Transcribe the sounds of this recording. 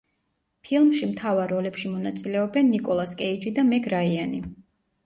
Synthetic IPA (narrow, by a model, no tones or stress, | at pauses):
pʰilˠmʃimt̪ʰavaɾːɔlɛpʃimɔnat̪sʼilɛɔbɛnːikʼɔlˠaskʼɛid͡ʒid̪amɛɡɾaiani